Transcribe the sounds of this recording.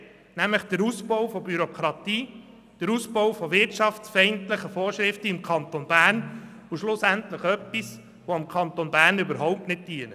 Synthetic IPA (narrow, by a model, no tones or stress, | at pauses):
næmləχd̥əɾuːsbɔwfɔbyɾokʰɾɑt̪iː | d̥əɾusbɔwfɔʋɪrtʃɑfsfɛɪntləχəfɔːrʃɾɪftəɪmkʰɑnt̪onbæːrn | ʊʃlʊsæntləχœpːis | ʋoɪmkʰɑnt̪onbæːɾnybəɾɦɔʊp̚tnɪt̚d̥iənə